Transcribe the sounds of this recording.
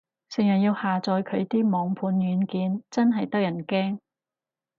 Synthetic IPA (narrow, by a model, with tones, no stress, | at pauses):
sɪ˨˩ŋjɐ˨˩njiː˧whaː˨t͡sɔː˨˧jkʰɵ˨˧ɥt̪iː˥mɔː˨˧ŋpʰuː˨˧njyː˨˧nkiː˨˧nt͡sɐ˥nɦɐ˨jt̪ɐ˥k̚jɐ˨˩nkɛː˥ŋ